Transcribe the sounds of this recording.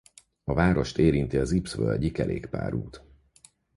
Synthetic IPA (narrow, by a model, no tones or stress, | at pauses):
ɒvaːɾo̞ʃt̪eːɾint̪iɒzipsvøːlɟikɛɾʔeːkpa̰ːɾuːt̪